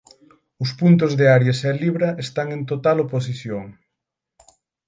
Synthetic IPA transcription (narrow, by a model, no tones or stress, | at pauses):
ʊspunt̪̬ʊzðeaɾjasɛliβɾɐʔest̪aŋẽnt̪ot̪alopos̬iθjoŋ